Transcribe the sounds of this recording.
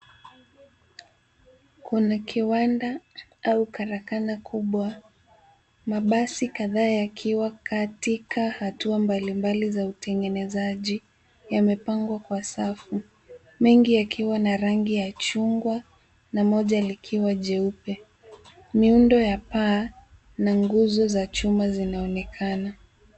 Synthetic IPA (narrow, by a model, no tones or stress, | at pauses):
kunakʰiwandaaukaɾakanakʰuɓwa | maɓasikaðaːjakʰiwakʰatikʰahatuambalimbalizautɛŋɡɛnɛzaʄi | jamɛpaŋɡwakwasafu | mɛŋɡijakʰiwanaɾaŋɡijat͡ʃuŋɡwa | namɔʄalikʰiwaʄɛupɛ | miundɔjapaː | naŋɡuzɔzat͡ʃumazinaɔnɛkʰana